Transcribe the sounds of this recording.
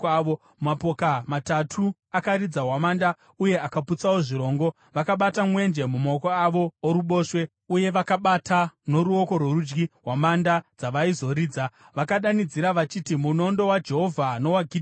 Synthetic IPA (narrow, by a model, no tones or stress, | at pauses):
ʋo | mumapokamatatʰuakaɾid͡zaɦwamaːnda | uje̞akaput͡sawoʐiɾo̞ːŋɡo̞ | ʋakaɓatamwe̞nd͡ʒe̞mumaokoaʋo̞ːɾuɓo̞ːʂwe̞ | uje̞ʋakaɓatʰano̞ɾuo̞ko̞rwoɾud͡ʒɡiɦwamandad͡zaʋaizo̞ɾiːd͡za | ʋakaɗanid͡ziɾaʋat͡ʃitimuno̞ndo̞wad͡ʒe̞ɦo̞vʱano̞waɡʱid